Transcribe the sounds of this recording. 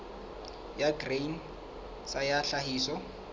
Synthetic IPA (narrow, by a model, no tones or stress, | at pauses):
jaɡrejn | sajaɬahiːsɔ